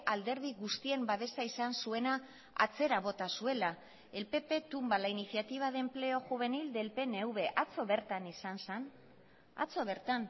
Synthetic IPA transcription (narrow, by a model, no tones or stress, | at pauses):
ʔald̪e̞ɾð̞iɣust̪ie̞mbaβe̞saisansue̞na | a̰t͡se̞ɾaβo̞t̪asue̞la | e̞lpe̞pe̞t̪umbalainiθjat̪iβ̞aðe̞mple̞o̞xuβ̞e̞nild̪e̞lpe̞ne̞wβe̞ʔat͡so̞βe̞ɾt̪anisansan | a̰t͡so̞βeɾt̪an